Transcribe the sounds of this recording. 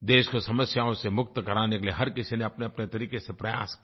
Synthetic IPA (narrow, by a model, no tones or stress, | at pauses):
d̪eːʃkosɐməsjaːõsemʊk̚t̪kɐɾaːnekelieɦɐɾkɪsineɐpneɐpnet̪ɐɾiːkesepɾɐja̰ːs